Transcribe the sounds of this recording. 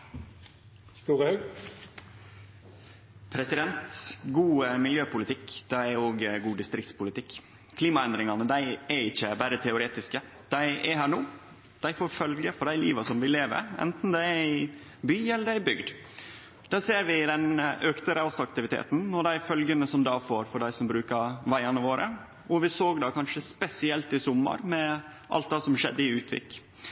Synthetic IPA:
st̪uːɾəhɑɡ | pʰɾɛsɪd̪ɛnt̪ɡuːəmɪljøːpʊlɪt̪ʰɪkːd̪̥æɪɛɾoːɡɡuːd̪ɪst̪ɾɪkt̪spʊlɪt̪ʰɪkː | kʰliːmɑɛnd̪ɾɪŋɑnəd̪æɪɛɾɪçːəbæːɾət̪ʰɛʊɾeːt̪ɪskə | d̪̥æɪɛhæːɾɳoː | d̪̥æɪfoːɾfœlɡəfɔɖæɪliːʋɑsɔmʋɪleːʋə̰ɾɛ̰nt̪n̩d̪ɛɾɪ | byːɛlːəɾæɪbʏɡd̪ | d̪̥ɑːseːɾʋɪd̪ɛnøkt̪əɾəɔsɔɑkt̪ɪʋɪt̪ʰḛːt̪n̩ɔd̪æɪfœlɡənəsɔmd̪ɑːfoːɾfɔɖæɪsɔmbɾʉːkɑɾʋæɪɑnəʋoːɾʔə̰ | ɔʋɪsoːɡd̪ɑːkʰɑnʂəspɛsɪɛlt̪ɪsɔmːə̰ɾmɛ | ʔɑ̰lt̪d̪ɑːsɔmʂɛ̰d̪ːəɪʉːt̪ʰʋɪ̰kː

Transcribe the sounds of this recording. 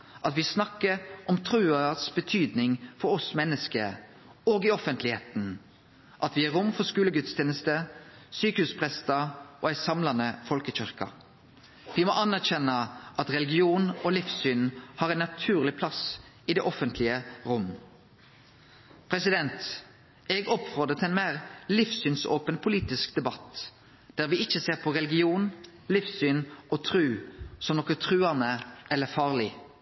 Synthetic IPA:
ʔɑt̪ʋɪsnɑkːəʔɔmt̪ʰɾʉːəsbət̪ʰyːd̪nɪŋfɔɾɔsmɛnːəskə | oːɡɪɔfənt̪ʰlɪheːt̪n̩ | ʔɑt̪ʋɪæɾʊmfɔskʉːləɡʉt̪st̪ʰeːnəst̪əsyːkəhʉːspʰʁɛst̪əoːæɪsɑmlɑnəfɔlkəc͡çʏɾkɑ̰ | ʋɪmɔʔɑnæʁɕɛnːəʔɑt̪ʁɛlɪɡɪuːnɔlifsyːnhɑːɾɛnːɑt̪ʰʉːʁlɪpʰlɑs | ɪd̪ɛːʔɔfənt̪ʰlɪəʁʊmː | pʰɾɛsɪd̪ɛnt̪ | ɛɡɔpfʁoːd̪ət̪ʰɛnmeːʁlɪfsyːnso̰ːpənpʰʊliːt̪ɪskd̪ɛbɑt̪ː | d̪̥æːʁʋɪɪçːəseːʁpʰɔʁɛlɪɡɪuːn | lɪfsyːnʔɔt̪ʰɾʉːsɔmnɔkət̪ʰʁʉːɑnəɛlːəɾfɑːʁlɪ

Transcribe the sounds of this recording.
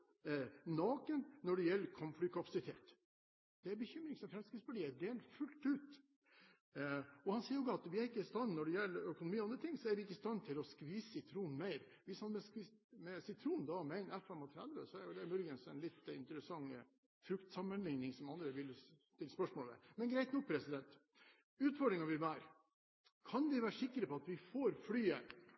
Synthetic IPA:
nɑːkənːɔɖɛjɛlːəɾkʰɔmflyːkʰɑpɑsɪt̪ʰeːt̪ | d̪̥ɛæɾbəçʏmɾɪŋsɔmfɾɛmskɾɪsbɑɖiːəd̪eːlfʉlt̪ʉːt̪ | ɔhɑnsiːəɾɔɡɑt̪ʋɪæɾɪkːəɪst̪ɑnːnɔɖɛjɛlːəɾœkʊnʊmiːɑnd̪ɾət̪ʰɪŋːsɔæɾʋɪɪkːəɪst̪ɑnːt̪ʰɪlɔskʋiːssɪt̪ʰɾuːnmæɪɾ | ʋɪshɑnmɛsmɛsɪt̪ʰɾuːnd̪ɑmɛɛɪnɛfːɛmɔt̪ʰɾɛd̪ʋəsɔæɾjʊlɛmʉɾɡənsɛnlɪt̪ːɪ̰nt̪əɾəsɑŋː | fɾʉkt̪sɑmːənlɪŋnɪŋsɔmɑnd̪ɾəʋɪlt̪ɪlspœʂmoːlmɛ̰mɛnɡɾæɪt̪nɔk̚pʰɾɛsɪd̪ɛnt̪ | ʉːt̪fɔɖɾɪŋɑʋɪʋæːɾ | kʰɑnʋɪʋæːɾəʂɪkːəɾəpɔɑt̪ʋɪfoːɾflyːə

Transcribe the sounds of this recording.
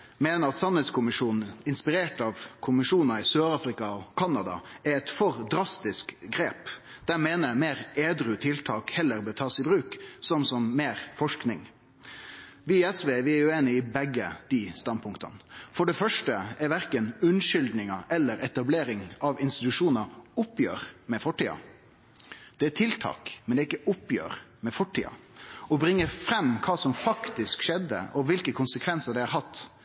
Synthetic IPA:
meːnəɾɑt̪sɑnhɛt̪skʊmɪʂuːn̩ɪnspɪɾeːʈɑʋkʰʊmɪʂuːnɑɪsøːɾɑːfɾɪkɑɔkʰɑnɑd̪ɑ̰ɛɛt̪fɔɾd̪ɾɑst̪ɪskɡɾeːpd̪̥æmeːnəmeːɾeːd̪ɾʉt̪ʰɪlt̪ʰɑːkhɛlːəɾbɛt̪ʰɑːsɪbɾʉːksɔmsɔmmeːɾfɔʂknɪŋ | ʋɪɛsʋeːʋɪæɾjʉeːnɪɪbɛɡːəd̪̥ist̪ɑnd̪pʊŋkt̪ɑ̰nfɔɖɛfœʂʈəæɾʋæɾkənʉnʃʏld̪nɪŋɑʔɛlːəɾɛt̪ɑbleːɾɪŋɑʋɪnst̪ɪt̪ʉʂuːnəɾʊpːjø̰ːɾmɛfɔʈːiːɑ̰ | d̪̥ɛæt̪ʰɪlt̪ʰɑ̰ːkmɛnd̪ɛɪkːəʔʊpjø̰ːɾmɛfɔʈʰːḭːɑ̰ɔbɾɪŋːəɾfɾɛmːkʰɑːsɔmfɑkt̪ɪskʃɛd̪ːə̰ʔɔʋɪlkəkʰʊnsəkʰʋɛnsəɾɖ̪ɛhɑɾɦɑt̪ː

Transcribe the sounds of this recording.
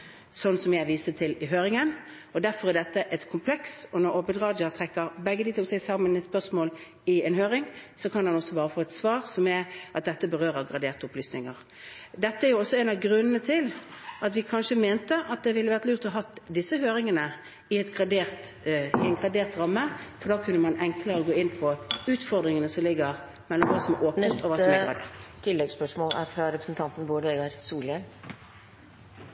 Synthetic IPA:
sɔnːsɔmjæɪʋiːsət̪ʰɪlɪɦøːɾɪŋən | ɔd̪æɾfɔɾæd̪ɛt̪ːəʔɛt̪kʰʊmpʰlɛksɔnɔɾoːbəlʁɑːd̪jɑt̪ʰʁɛkːəɾbɛɡːəd̪iːt̪ʰɔlt̪ʰɛsɑːmənɛt̪spœʁsmoːl | ɪɛnhøːɾɪŋsɔkʰɑnhɑnɔsːɔbɑːʁəfoːɛt̪sʋɑːʁsɔmæʔɑt̪̚d̪ɛt̪ːəbəʁøːɾəɡʁɑd̪eːʁt̪əʊplyːsnɪŋəʁ | d̪ɛt̪ːəæɾjʊɔsːɔɛnɑʋɡɾʉnːənət̪ʰɪlɑt̪ʋɪkʰɑnʂəmeːnt̪əʔɑt̪̚d̪ɛʋɪlːəʋæʁt̪lʉːʁt̪ʰɑɦɑt̪d̪ɪsːəhøːɾɪŋənə | ɪɛt̪ɡʁɑd̪eːʁt̪ | ɪɛŋɡʁɑd̪eːʁt̪ɾɑmːəfɔɾd̪ɑːkʰʉnːəmɑnɛŋkləɾəɡoːɪnːpʰɔʉːt̪fɔʁd̪ɾɪŋənəsɔmlɪɡːəʁ | mɛlːɔmʋɑːsɔmɛʔoːpnəst̪ɔʋɑːsɔɛɡʁɑ̰d̪ḛːʁt̪t̪ʰɪlːɛɡspœʂmoːlæ̰ɾfɾɑɾɛpɾəsn̩t̪ʰɑnt̪n̩boːd̪əɛɡəɾsuːlɪɛl

